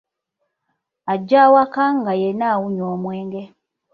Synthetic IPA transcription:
aɟːaːwakaŋɡajenawuɲoːmweːŋɡe

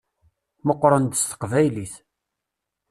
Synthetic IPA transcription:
məqːɾˤənd̪əst̪ə̥qvæjliθ

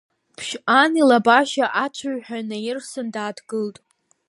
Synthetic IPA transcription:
pʰʃanilabaʃaʔat͡ʃʷʰaɥħᶣanajɪrsɨndaːdɡɨltʼ

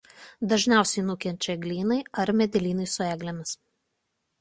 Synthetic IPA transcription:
d̪ɐʒʲnʲæˑʊsʲɛɪnʊkʲɛnʲt͡ʃʲɛɡlʲiːnɐɪɐɾmʲɛd̪ʲɛlʲiːnɐɪsʊæːɡlʲɛmʲɪs

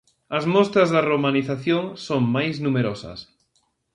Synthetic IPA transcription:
ɐzmɔst̪ɾɐzðɐromaniθaθjoŋsoŋmajznumeɾɔsɐ̰s

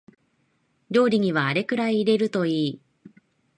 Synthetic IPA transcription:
ɾʲo̞ːɾʲiɲ̟iβaːɾe̞kɯ̟ɾaiːɾe̞ɾɯ̟t̪o̞iː

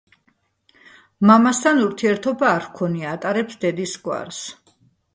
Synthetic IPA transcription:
mamast̪ʰanuɾt̪ʰiɛɾt̪ʰɔbaːɾkʰɔniat̪ʼaɾɛpsd̪ɛd̪isɡwa̰ɾs

